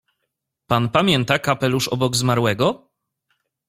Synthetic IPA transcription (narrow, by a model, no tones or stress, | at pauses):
panpamʲjɛnt̪akapɛluʂɔbɔɡzmaɾwɛɡɔ